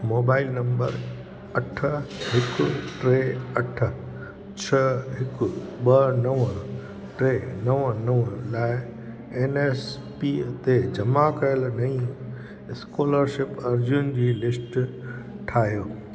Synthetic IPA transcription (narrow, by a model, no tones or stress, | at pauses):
moːbaːɪlnɐ̃mbə̰ɾ | ɐʈʰəɦɪkʊʈɾeːɐʈʰə | t͡ɕʰɐɦɪkʊɓɐnɐʋə | ʈɾeːnɐʋnɐʋəlaːɪ | eːneːs | pit̪ed͡ʑɐmakɐjəlnɐĩ | ɪskoːləɾʃɪpɐɾd͡ʑʊnɪ̆d͡ʑiːlɪsʈ | ʈʰaːɦijoː